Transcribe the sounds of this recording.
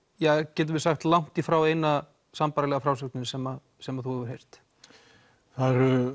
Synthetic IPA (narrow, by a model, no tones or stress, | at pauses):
jɛcɛːt̪̬ʏvɪsaxt̪lawŋ̥t̪ifɾawejna | sampaːɾalɛɣafɾawsœknɪnɪsɛma | sɛmaθuɛvʏɾ̥ɦejr̥t̪ | θaðɾʏ